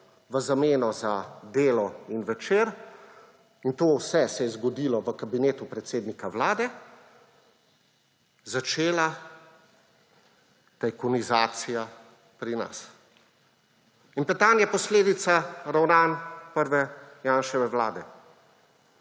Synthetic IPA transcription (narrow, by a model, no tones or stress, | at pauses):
ʋəzameːnɔzad̪eːlɔinʋɛt͡ʃeːɾ | int̪oːwsɛsɛjɛzɡɔd̪iːlɔʋəkabineːt̪upɾɛt̪seːd̪nikaʋlaːd̪ɛ | zat͡ʃeːla | t̪ajkɔnizaːt̪sija | pɾina̰s | inpɛt̪anjɛpɔsleːd̪it̪saɾawnanpəɾʋɛjaːnʃɛʋɛʋlaːd̪ɛ